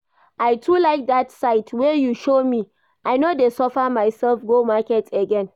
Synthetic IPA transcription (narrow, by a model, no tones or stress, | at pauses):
ʔaɪtʰulaɪk̚datsaɪtʰwɛjuʃomi | ʔaɪnodesɔfəmaɪsɛlfɡomakɛtəɡɛ̃n